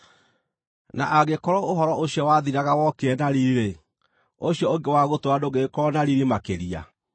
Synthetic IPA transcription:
naʔaɣekɔɾɔoɦɔɾɔʔoɕjɔwaðiɾaɣawɔkeɛnaɾiɾiɾe | oɕjɔoŋɡewaɣotoadoɣekɔɾɔnaɾiɾimakeɾia̰

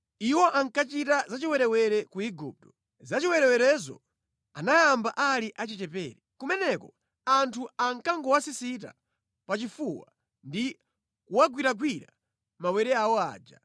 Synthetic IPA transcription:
iwɔʔaŋkat͡ʃitazat͡ʃiwɛɾɛwɛɾɛkuiɡup̚tɔ̥ | zat͡ʃiwɛɾɛwɛɾɛzɔ̰ | anajambaʔaliʔat͡ʃit͡ʃɛpɛːɾɛkumɛnɛkɔ | antʰuaŋ̩kaŋɡɔwasisit̬a̰ | pat͡ʃifuwa̰ | ndi | kuwaɡwiɾaɡwiɾa̰ | mawɛɾɛawɔa̰ːd͡ʒa̰

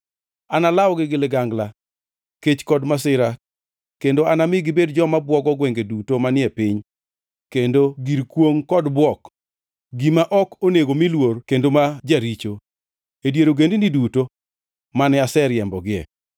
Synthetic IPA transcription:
analawɡɪɡɪlɪɡaŋɡla | ket͡ʃkɔdmasɪɾa | kendoanamɪɡɪbedd͡ʒɔmabwɔɡɔɡwɛŋɡedutomanɪɛpɪɲ | kendoɡiɾkwoŋkɔdbwɔk | ɡimaʔɔkoneɡomilworkendomad͡ʒaɾit͡ʃo | edjeɾoɡendiniduto | manɛasɛɾjɛmbɔɡɪɛ̰

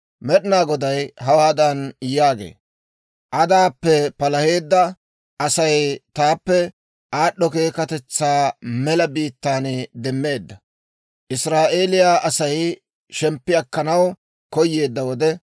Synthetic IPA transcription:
mɛɗɪnaːɡɔd̪ɐjɦɐwaːd̪ɐnjaːɡe̞̰ː | ʔɐd̪aːpːɛpɐlɐhe̞ːd̪ːɐ | ʔɐsɐjt̪aːpːɛ | ʔaːɗːɔke̞ːkɐt̪ɛt͡sːaːmɛlɐbiːt̪ːaːnd̪ɛmːe̞ːd̪ːɐ | ʔɪsɾaːʔe̞ːlɪjaʔɐsɐj | ʃɛmpːɪɐkːɐnɐw | kɔjːe̞ːd̪ːɐwɔd̪ɛ

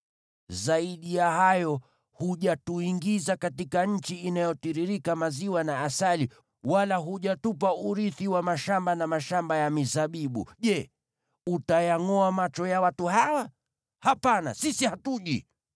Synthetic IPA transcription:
zaiɗijahajɔ | huʄatuiŋɡizakatikaɲ̩t͡ʃiinajɔtiɾiɾikamaziwanaːsali | walaɦuʄatupauɾiθiwamaʃambanamaʃambajamizaɓiɓṵʄɛ | utajaŋɔamat͡ʃɔjawatuhawa | hapana̰sisihatuʄi

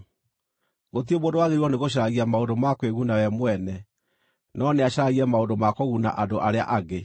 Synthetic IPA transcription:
ɣot̬iomoːndowaɣeɾiwɔneɣoɕ̬aɾaɣiamaondomakweɣunawɛmwɛnɛ | nɔneaɕaɾaɣiɛmaondomakoɣuna̰ʔadoʔaɾea̰ʔaɡe

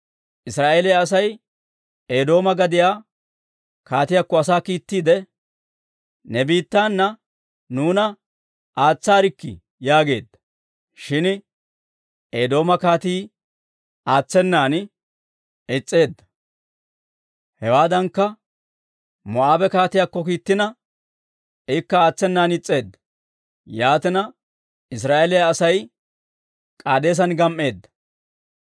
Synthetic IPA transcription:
ʔɪsɾaːʔeːlɪjɐs̬ɐj | eːd̪o̞ːmɐɡɐd̪ɪjaː | kaːt̪ɪjakːɔɐsaːkiːt̪ːiːd̪ɛ | nɛbiːt̪ːaːnːɐ | nuːnɐ | ʔaːt͡sːaːɾɪkːɪ̰ | jaːɡe̞ːd̪ːɐ̥ | ʃɪn | eːd̪o̞ːmɐkaːt̪iː | ʔaːt͡sːɛnːaːn | ɪt͡sʼːe̞ːd̪ːɐ̥ | hɛwaːd̪ɐŋkːɐ | mɔaːbɛkaːt̪ɪjaːkːɔkiːt̪ːɪnɐ | ɪkːɐaːt͡sːɛnːaːnɪt͡sʼːe̞ːd̪ːɐ̥ | jaːt̪ɪnɐ | ɪs̬ɾaːʔelɪjaːsɐj | kʼaːd̪e̞ːs̬ɐnɡɐmʔe̞ːd̪ːɐ̥

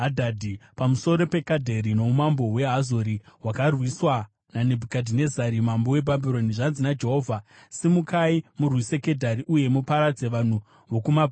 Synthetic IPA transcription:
adʱaːdʱipamuso̞ɾo̞pe̞kadʱe̞ɾino̞umambo̞we̞ɦazoɾiwakarwiswa | nane̞bʱukadʱine̞zaɾimambo̞we̞bʱabiɾo̞niʐanzinad͡ʒe̞ɦo̞ːvʱasimukaimurwise̞ke̞dʱaɾiʔuje̞mupaɾad͡ze̞ʋan̤u | ʋo̞kumab

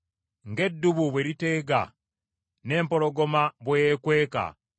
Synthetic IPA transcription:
ŋɡe̞dːuβuβwe̞ɾite̞ːɡa̰ | ne̞ːmpo̞ɾo̞ɡo̞maβwejekwe̞ːka̰

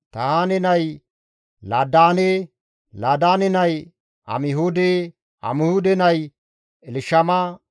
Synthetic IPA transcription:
t̪ɐaːnɪnɐj | laːd̪aːne | laːd̪aːnɪnɐj | ɐ̰mɪɦuːd̪e | ɐ̰mɪhuːd̪ɛnɐj | ɛlɪʃɐmɐ

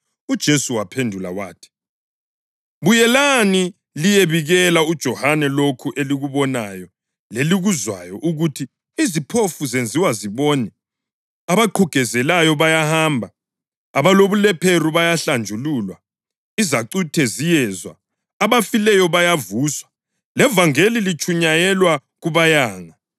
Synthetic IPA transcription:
ud̥ʒ̥ʱesuwapʰendʱula̰wa̰ːtʰi̥ | βujɛlani | lijeβiɣɛlaud̥ʒ̥ʱɔhanɛlokʰuʔeliɣuβɔnajɔ | leliɣuzwa̰jɔʔuɣutʰi | izipʰofuzend͡zʱiwaziβɔːnɛ | aβaǃʰuɡ̥ʱɛzɛlajɔβajahaːmbʱaː | βaloβulɛpʰeruβajaɬand͡ʒʱululwa | izaǀutʰɛzijɛːzwa̰ː | βafilɛjɔβajavuswḁ | lɛvaŋelilit͡ʃʼuɲajɛlwa | ɣuβajaːŋa

